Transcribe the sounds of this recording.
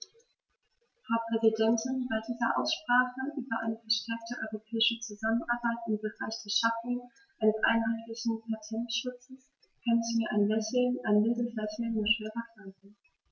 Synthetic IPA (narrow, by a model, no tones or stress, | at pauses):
haʊpʁ̥ɛzidɛntʰɪnbaɪdiːzɐʔa̰ʊsʃpʁ̥aːχəʔyːbɐʔa̰ɪnəfɛɐʃtʰɛɐk̚təʔɔʏʁopʰɛːɪʃət͡suzamənʔaɐbaɪtɪmbəʁaɪçd̥ɛːɐʃaf̩ | ʔaɪnəsʔa̰ɪnɦaɪtlɪçn̩pʰatʰɛntʃʊt͡səs | kʰanɪçmiːɐʔaɪnlɛçʔaɪnmɪdəslɛçənmɔʃøːvɐkl̥aɪɡŋ̩